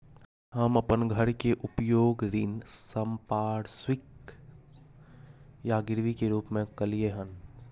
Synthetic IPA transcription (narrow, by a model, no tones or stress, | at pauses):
ɦəmɐpənɡʱəɾkeʔʊpjoːɡɾɪnsəmpaːɽswɪk | jaɡɪɾʋikeɾuːpmẽkəlijeɦən